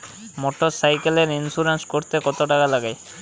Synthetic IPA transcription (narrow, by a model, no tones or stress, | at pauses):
mɔʈoɾsajkeleɾinsuɾenskoɾt̪ekɔt̪oʈakalaɡaj